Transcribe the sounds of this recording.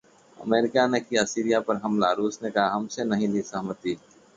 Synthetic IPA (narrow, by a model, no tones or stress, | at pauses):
ɐ̰meːɾɪkanekiasiːɾijapɐɾɦɐmlaɾuːsnekɐɦaɦɐmsenɐɦĩlisɐɦmət̪iː